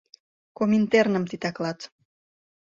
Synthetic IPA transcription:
komint̪ernə̆mt̪it̪ɑklɑt̪

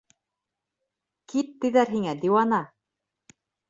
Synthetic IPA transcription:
kit̪̚t̪ɘ̆ðæɾɦiŋæd̪iwɑnɑ

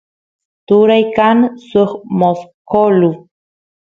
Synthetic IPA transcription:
t̪uɾajkansuχmoskolu

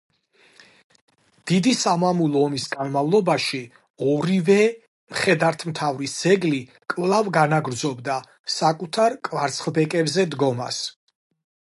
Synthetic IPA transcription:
d̪̥id̪isamamulˠɔɔmisɡanmavlˠɔbaʃi | ɔɾivɛ | mχɛd̪aɾt̪ʰmt̪ʰavɾisd̪̥ɛɡli | kʼvlˠavɡanaɡɾd̪zɔbd̪a | sakʼut̪ʰaɾkʼvaɾt̪sʰχlˠbɛkʼɛbzɛd̪ɡɔma̰s

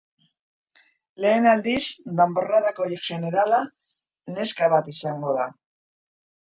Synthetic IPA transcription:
le̞ːnald̪isd̪amboraðakoɾkʒe̞neɾala | ne̞skaβat̪isaŋɡo̞ða

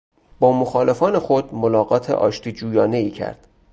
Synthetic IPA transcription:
b̥ɒːmoxɒːle̞fɒːne̞xod̪̥molɒːɢɒːt̪ʰḛʔɒːʃt̪ʰiːd͡ʒuːjɒːne̞iːcʰæ̰ɾd̪̥

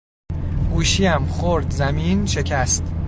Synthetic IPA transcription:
ɡ̥uːʃiːæmxoɾd̪zæmiːnʃe̞cʰæst̪

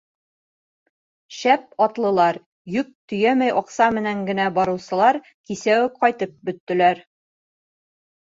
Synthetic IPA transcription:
ʃæp̚ɒt̪lˠɤ̆lˠɑɾ | jɵk̚t̪ɵ̆jæmæjʔɒqsɑmɘ̆næŋɡɘ̆næbɒɾɤ̆wsɤ̆lˠɑɾ | kisæwɘqɒjt̪ɤp̚bɵ̆t̪ːɘ̆læɾ

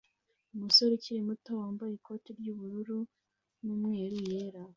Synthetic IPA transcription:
umuso̞ɾeciɾimuto̞waːmbajekʰo̞tiɾɟuːβuɾuɾu | nuːmŋeːɾujeːɾa

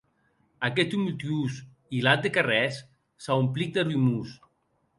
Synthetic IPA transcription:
akɛt̪umult̪ius | ilat̪̚d̪ekarɛsː | aumplik̚d̪erumus

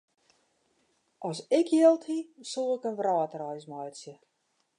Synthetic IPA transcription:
ʔɔsɪkʰjɪlˠthisulˠɪkənʋraːtrɔjsmɔjsjə

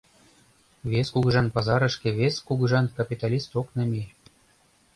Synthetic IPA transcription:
βeskuɡʒɑnpɑzɑɾə̆ʃkĕβeskuɡɤʒɑnkapʲit̪alʲist̪oknɤ̆mʲe

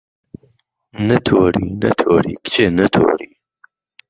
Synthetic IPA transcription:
nət̪ʰoɾinə̰t̪ʰoːɾḭkt͡ʃʰenət̪ʰo̰ːɾi

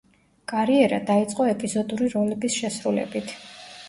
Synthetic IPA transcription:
kʼaɾiɛɾa̰d̪ait̪sʼqʼɔɛpʼizɔd̪uɾiɾɔlɛbisʃɛsɾulɛ̰bit̪ʰ

